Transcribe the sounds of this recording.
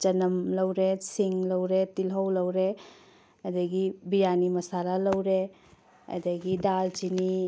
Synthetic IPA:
t͡ʃɐnɐmlɐwɾesiŋlɐwɾetilɦɐwlɐwɾe | ɐdɐɡibijanimɐsaɾalɐwɾe | ɐ̰dɐɡidald͡ʒini

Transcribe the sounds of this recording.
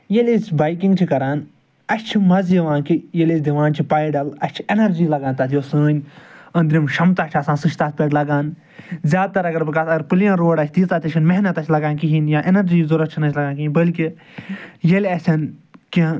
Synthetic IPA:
jelʲesbaːjk̬ĩŋɡ̚t͡ʃʰikɐɾaːn | ɐst͡ʃʰimɐzjɐʋãːkijelʲesʲd̪iʋãːnt͡ʃʰipaːjɖɐlɐsʲt͡ʃʰi̥enɐɾd͡ʒiːlɐɡãːnt̪ɐːt̪ʰjoːsəːnʲɐ̃nd̪ɾimʃɐmt̪aːt͡ʃʰɐsãːsɨʃʰt̪aːspɐʈlɐɡaːn | zjaːd̪̚t̪ɐɾɐɡɐɾbɨkasɐɡɐɾpɨljãːɾoːɖɐt͡ʃʰt̪iːt̪aːt̪ɐt͡ʃʲʰinmeɦnɐt̪ɐt͡ʃʲʰlɐɡaːnkiɦĩnjaːʔenɐɾd͡ʒiːzuɾɐt̪̚t͡ʃʰinɐt͡ʃʰlɐɡãːnkiĩnbɐlki | jelʲɐsʲʰɐnki

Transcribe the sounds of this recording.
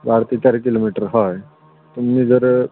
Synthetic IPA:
baɾt̪iːt͡ɕaɾikilomiʈəɾɦɔj | t̪umːiːd͡zəɾ

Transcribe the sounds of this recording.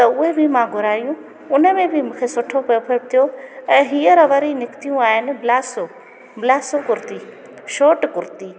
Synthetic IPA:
t̪ɐʊɦebʱimãːɡʱʊɾaːjũ | ʊnəmẽbʱɪmũːkʰeːsʊʈʰopɐopʰəɽ̚t̪ʰijoɛ̃ːɦiːəɾɐʋɐɾinɪkt̪ijũaːɦɪnɪ̆bɪlaːso | bɪlaːsokʊɾt̪iː | ʃoːʈkʊɾt̪iː

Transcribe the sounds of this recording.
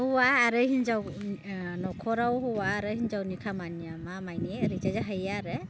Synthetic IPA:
huwaːɾɯɦinzaw | nɔkʰɔɾawɦɔwaːɾɯɦinzawnikʰamaniamamajniɾizazaɦajaɾɯ

